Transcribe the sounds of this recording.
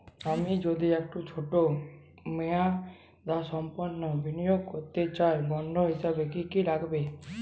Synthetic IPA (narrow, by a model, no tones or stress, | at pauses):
amid͡ʒod̪iɛk̚ʈot͡ʃʰoʈo | meja | d̪asɔmpɔnːɔbinijoɡkɔɾt̪et͡ʃaɾbɔɳɖʱoɦisabekikiɾakʰbe